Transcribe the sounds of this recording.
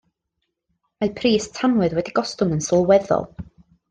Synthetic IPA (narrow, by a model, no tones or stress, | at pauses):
mapʰriːstʰanwɨðwɛdiɡɔstʊŋənsɔlˠwɛðɔ̰lˠ